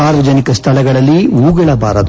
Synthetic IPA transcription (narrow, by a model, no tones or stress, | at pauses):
aːɾʋɐd͡ʒɐnikɐst̪ʰɐlɛɡɐɭɐlːiuːɡɐɭɐbʱaːɾɐd̪